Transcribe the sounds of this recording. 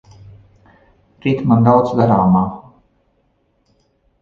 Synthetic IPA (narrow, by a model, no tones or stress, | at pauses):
ɾit̪mand̪awd̪zd̪aɾaːmaː